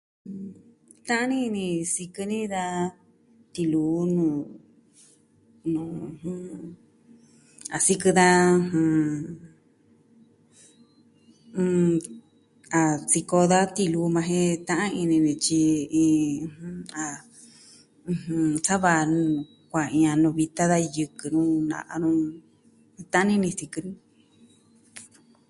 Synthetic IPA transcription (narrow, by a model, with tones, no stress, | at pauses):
t̪ã˦ʔã˦nĩ˦˧nĩ˧si˧kɨ˧nĩ˦d̪a˧ | t̪i˧luː˨˦nũ˧˨ | nũ˨˧hũ˧ | a˨si˧kɨ˧ða˧ɦũ˧ | a˨t͡si˧ko˧ða˦t̪i˧lu˧mã˧ɦẽ˦t̪ã˦ʔã˦ĩ˧nĩ˧nĩ˧t͡ʃi˧ĩ˧ha˧ | sa˦βa˧n˧ | kʷa˨ĩ˧ã˧nũ˧βi˧t̪a˦ða˧jɨ˧kɨ˧nũ˦nã̰˧ʔa˧nũ˧ | t̪ã˦ã˦ĩ˦nĩ˧si˧kɨ˧nũ˦